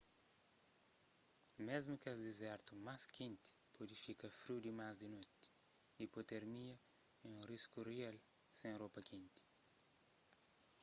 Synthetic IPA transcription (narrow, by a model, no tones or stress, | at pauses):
mezmukazd̪izɛɾt̪umaskẽnt̪i̥pod̪ifikɐfɾiwd̪imazd̪inot̪i̥ipot̪eɾmiɐiũriskurialsẽropɐkʰẽnt̪i̥